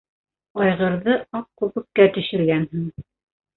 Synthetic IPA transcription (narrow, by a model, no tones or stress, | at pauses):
ɑjʁɤ̆ɾðɤɑp̚kʉβɘ̆kːæt̪ɵ̆ʃɘ̆ɾɡænɦɘŋ